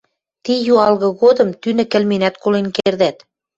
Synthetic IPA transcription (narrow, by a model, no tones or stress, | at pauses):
t̪ijuɑlɣɤ̆ɣod̪ɤ̆mt̪ynɘ̆kɘ̆lmenæt̪kolenkerd̪æt̪